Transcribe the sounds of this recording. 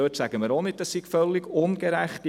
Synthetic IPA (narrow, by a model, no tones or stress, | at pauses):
øːtsæɡ̥əməɾonɪd̚dɑsiɡ̥fœlːɪɡʊnɡ̥eɾæχt